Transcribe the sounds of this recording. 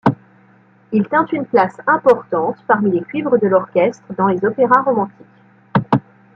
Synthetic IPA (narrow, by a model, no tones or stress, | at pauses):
ilt̪ɛ̃t̪ynplasɛ̃pɔʁt̪ɑ̃t̪paʁmilekʲɥivʁəd̪əlɔʁkʲɛst̪χəd̪ɑ̃lezɔpeʁaʁɔmɑ̃t̪ik